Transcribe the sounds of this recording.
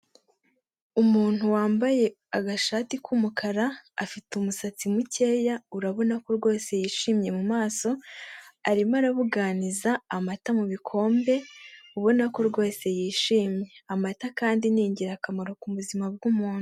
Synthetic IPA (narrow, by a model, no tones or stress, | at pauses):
umuːn̥huwaːmbaje̞ | aɡaʃaːtikʰumukʰaɾaa̰fitumusat͡simuce̞ːjauɾaβo̞nako̞ɾɡo̞ːse̞jiːʃiːmɲe̞mumaːso̞ | aɾimaɾaβuɡaːnizaːmatamuβikʰo̞ːmbe̞uβo̞nako̞ɾɡo̞ːse̞jiːʃiːmɲe̞amatakaːndiniːɲɟiɾakamaɾo̞kuβuzimab̚ɡumuːn̥u